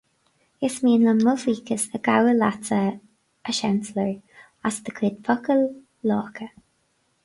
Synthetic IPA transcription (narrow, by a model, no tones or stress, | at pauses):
ɪsmiːnləmʊviːkʰəsəɡawəlatə | əʃɛnsləɹ | asd̪əkʰwɪːd̪̚pʰɔkəlː | ɔːkʰə